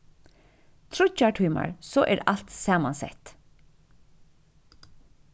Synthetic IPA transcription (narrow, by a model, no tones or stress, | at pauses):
t̪ʰɾʊt͡ʃɑʈʰʏːma̰ɹsoːʔɛːɹɑlt̪sɑːmɑnsɛ̰t̪